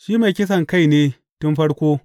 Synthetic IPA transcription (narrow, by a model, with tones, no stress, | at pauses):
ʃiː˦ma˨jkʲɪ˦s̬ɐ˨ŋka˦˨jneː˦ | tʊ˦nɸɐ˦ɽkʷoː˦